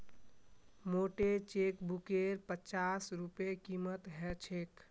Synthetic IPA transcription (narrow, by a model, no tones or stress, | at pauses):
moʈet͡ʃekbukeɾpət͡ʃasɾupekimət̪ɦɛt͡ʃʰek